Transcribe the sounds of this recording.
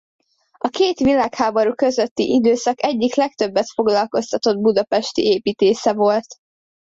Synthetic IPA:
ɒkeːt̪ʋilaːkhaːbɒɾukøzøt̪ːḭʔid̪øːsɒkɛɟːiklɛk̚t̪ø̞bːɛt̪fo̞ɡlɒlko̞st̪ɒt̪o̞d̪̚bud̪ɒpɛʃt̪ḭeːpiːt̪eːsɛvo̞lt̪

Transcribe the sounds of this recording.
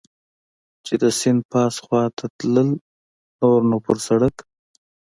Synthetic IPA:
t͡ʃed̪əsɪnd̪̚pɑsxwɑt̪ʰat̪ləl | noɾnopəɾsaɽək

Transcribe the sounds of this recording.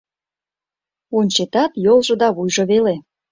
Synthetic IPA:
onʲt͡ɕet̪ɑt̪jolˠʒɤ̆d̪ɑβujʒoβele

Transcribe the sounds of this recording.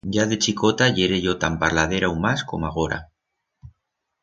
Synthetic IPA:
ɟ͡ʝaðet͡ʃikot̪aʝeɾeʝot̪ampaɾlað̞eɾaumasko̰maɣ̞oɾa̰

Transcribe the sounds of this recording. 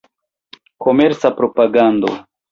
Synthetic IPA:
ko̞meɾt͡sapɾo̞paɡand̪o̞̰

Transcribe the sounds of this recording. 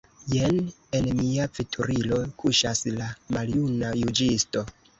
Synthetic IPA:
jen | e̞nmiafitʰuɾilo̞kʰuʃaslamaljunajud͡ʒisto̞

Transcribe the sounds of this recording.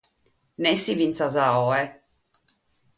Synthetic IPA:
nɛsivint̪sazaɔɛ

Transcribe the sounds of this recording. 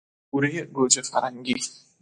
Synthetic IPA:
uɾijeɡod͡ʒəfa̰ɾaŋɡi

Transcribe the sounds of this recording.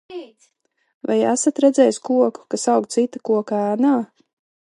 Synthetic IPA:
va̰jæsat̪ɾɛd̪zɛːjskuɔku̥kasawkt̪sit̪akuɔkaaːnaː

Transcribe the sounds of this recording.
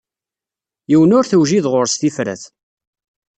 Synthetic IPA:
jiwnʊɾθəwʒiðʁʊɾsθifɾæ̰θ

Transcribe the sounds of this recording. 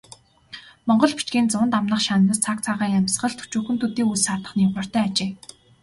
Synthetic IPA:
mɔɴɢɞ̆ɮpi̥t͡ɕkiːnt͡sʊnt̪amnə̆χʃanːə̆st͡sʰak̚t͡sʰaʁiːŋæmʲs̆χə̆ɮt̪ʰu̥t͡ɕuːxɵ̆nt̪ʰɵt̪iːusat̪ə̆χniːχʊr̥ʲt̪œːat͡ɕeː

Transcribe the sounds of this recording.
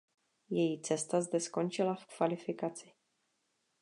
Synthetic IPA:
jɛjit͡sɛst̪azd̪ɛsko̞nt͡ʃɪlafkv̥alɪfɪkat͡sɪ̥

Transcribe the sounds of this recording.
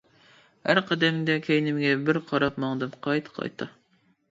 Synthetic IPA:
hæɾqʰɑd̪ɛmɡ̪ʲɛkʲʰejnɪmɡʲɛbɪɾqʰɑɾɑpmɑŋd̪ɨmqʰɑjt̪ʰqʰɑ̰jt̪ʰɑ

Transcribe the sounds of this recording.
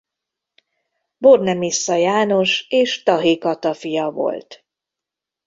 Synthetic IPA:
bornɛmisːɒjaːno̞ʃeːʃt̪ɒɦikɒt̪ɒfijɒvo̞̰lt̪

